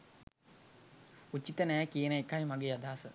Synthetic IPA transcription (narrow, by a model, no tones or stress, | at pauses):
ut͡ɕːit̪ənɛːkijənəekːajmaɡeːad̪aːsə